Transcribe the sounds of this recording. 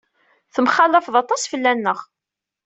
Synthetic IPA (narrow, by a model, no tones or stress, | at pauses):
θəmχɑlːəfðˤɑt̪ˤɑsfəlːænːəʁ